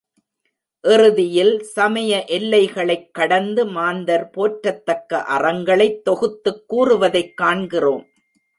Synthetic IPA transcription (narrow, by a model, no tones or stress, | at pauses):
ʔɛrɯðɪjɪlsɐmɐjɐʔɛlːɐɪɣɐɭɐɪkːɐɽɐnd̪ɯmaːnd̪ɐɾpoːʈɾɐt̪ːɐkːɐ̰ʔɐrɐŋɡɐɭɐɪt̪ːɔɣɯt̪ːɯkːuːrɯʋɐðɐɪkːaːɳɡɪroːm